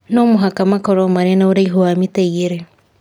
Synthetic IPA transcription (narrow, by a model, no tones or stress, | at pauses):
nomuɦakamakoɾomaɾenauɾaiɦuamitejiɾe